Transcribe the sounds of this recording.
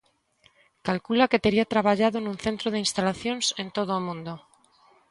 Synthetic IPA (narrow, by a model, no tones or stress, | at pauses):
kalkulake̞t̪e̞ɾiat̪ɾaβaʎaðonũnθe̞nt̪ɾoðeinst̪alaθjo̞nse̞nt̪o̞ðomũnd̪o